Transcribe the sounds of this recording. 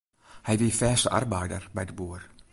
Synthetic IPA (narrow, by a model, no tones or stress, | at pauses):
hɛjʋiːfɛːstəʔa̰rbɛjdə̰rbɛjdəbuːr